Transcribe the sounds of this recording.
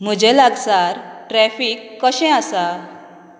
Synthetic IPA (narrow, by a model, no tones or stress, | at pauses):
m̤əd͡ʑɛlaɡsaɾʈɾɛfiːkːəɕɛ̃asa